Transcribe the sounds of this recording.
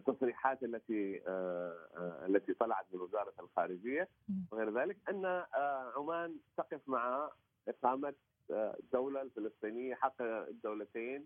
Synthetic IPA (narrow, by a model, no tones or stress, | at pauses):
t̪ːɑsˤɾiːħaːt̪ʔalːat̪i | a̰lːat̪it̪ˤɑlɑʕɑt̪mɪnwɪzɑːɾˤɑlxaːɾɪd͡ʒɪjːa | wɪɣeːɾðaːlɪkʔanːaʕʊmaːnt̪ɑqɨfmaʕa | ʔɪqɑːmat̪ | d̪ːawlalfɪlɨsˤt̪ˤiːnɪjːaħɑqːd̪ːawlat̪eːn